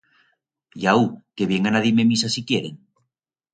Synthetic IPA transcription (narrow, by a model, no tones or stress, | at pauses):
jaukeβjeŋanaðimemisasikjeɾeŋ